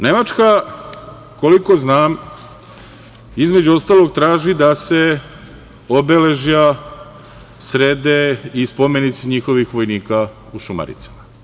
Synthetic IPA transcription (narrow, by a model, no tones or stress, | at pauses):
ne̞mat͡ʃka | ko̞liko̞znaːm | izme̞d͡ʑuo̞st̪aːlˠo̞ɡ̚t̪ɾaːʒid̪ase̞ | obele̞ʒja | sɾed̪eispo̞menit̪siɲixo̞ʋixʋo̞jniːka | uʃuma̰ɾḭt̪sḁma